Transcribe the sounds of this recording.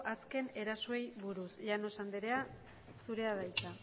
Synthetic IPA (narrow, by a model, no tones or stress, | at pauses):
ʔaske̞ne̞ɾasoe̞jβuɾusʎano̞sand̪eɾe̞a | suɾe̞aðajt͡sa